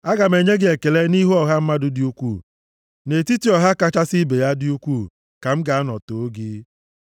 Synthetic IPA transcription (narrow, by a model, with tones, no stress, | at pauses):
a˦ɡa˨me˨ɲe˦ɡɪ˦e˨ke˨le˦ni˦ɦu˦ɔ˨ɦa˦m̩˦ma˦dʊ˦dɪ˦u˦kʷu˦˨ | ne˨ti˦ti˨ɔ˨ɦa˦ka˦t͡ʃa˦sɪ˦be˨ja˦dɪ˦u˦kʷu˦˨ | ka˨m̩˦ɡa˨a˦nɔ˨to˨o˦ɡɪ˦